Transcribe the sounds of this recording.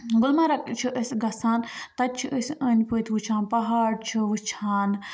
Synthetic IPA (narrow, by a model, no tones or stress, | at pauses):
ɡulmɐɾɐkt͡ʃʰiʔəsʲɡɐsaːnt̪ɐt̪̚ʲt͡ʃʰiʔəsʲɐnʲpɨt̪ʲʋut͡ʃʰãːnpɐɦaːɽt͡ʃʰiʋɨt͡ʃʰaːn